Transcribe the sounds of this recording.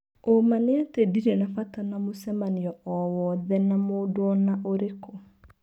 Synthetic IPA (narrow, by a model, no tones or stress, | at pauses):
omaneatediɾɛnafatanamosɛmaniɔʔɔwɔðɛnamodoɔnaʔoɾeko